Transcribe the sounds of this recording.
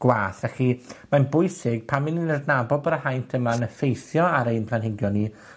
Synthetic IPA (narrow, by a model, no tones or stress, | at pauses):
ɡ̥waːθvɛximanbʊɨsɪɡ̥̚pʰamɪninərdnabɔlˠbəɾahajntʰəmanəfejθjɔaɾejnpʰlˠanɦɪɡjɔnːi